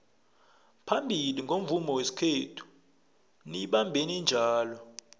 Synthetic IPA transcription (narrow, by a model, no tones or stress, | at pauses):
pʰambʱiliŋɡʱom̩vumɔwesi̥kʰetʰu̥ | niɓambʱenind͡ʒʱaːlɔ